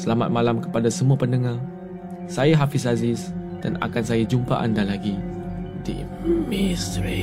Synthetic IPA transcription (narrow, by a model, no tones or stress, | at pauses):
səlamat̪̚mãlamkə̥padasəmuapəndəŋa | sajaɦafisazɪs | d̥ana̰kansajad͡ʒumpa̰ʔandalaɡidḭʔḭmmistəɾi